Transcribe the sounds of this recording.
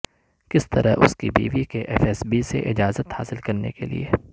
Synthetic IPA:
kɪst̪ɐɾaʔʊ̰skibḭːʋikeʔɛfɛsbisḛʔɪd͡ʒaːzət̪ha̰ːsɪlkɐɾnekelḭeː

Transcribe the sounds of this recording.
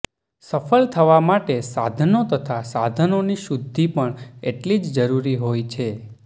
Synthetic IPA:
səfəlt̪ʰəʋamaʈesad̪ʱənot̪ət̪ʰasad̪ʱənoniʃud̪ʱːipəɳeʈlid͡ʒd͡ʒəɾuɾiɦojt͡ʃʰe

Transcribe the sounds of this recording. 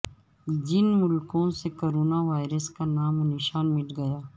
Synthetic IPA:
d͡ʒɪnmʊlkõsekoːɾoːnaʋaːɪɾəskanaːmonɪʃaːnmɪʈɡɐjaː

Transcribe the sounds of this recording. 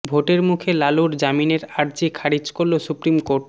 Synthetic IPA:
bʱoʈeɾmukʰelaluɾd͡ʑamineɾaɾd͡ʑikʰaɾid͡ʑkoɾlosupɾimkoɾʈ

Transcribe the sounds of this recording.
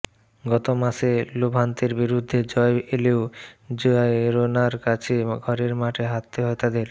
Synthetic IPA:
ɡɔt̪omaʃelobʱɦant̪eɾbiɾud̪ʱːed͡ʑɔeʔeleod͡ʑoaɾonaɾkat͡ɕʰeɡʱɔɾeɾmaʈʰeɦat̪ːeɦoet̪ad̪eɾ

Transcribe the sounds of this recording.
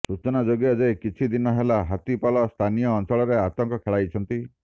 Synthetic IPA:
sut͡ʃɔnad͡ʒoɡijad͡ʒejkit͡ʃʰid̪inɔɦelaɦat̪ipalɔst̪ʰanijɔːnsɔɭɔɾeat̪ɔŋkɔkʰeɭajt͡ʃʰɔnt̪i

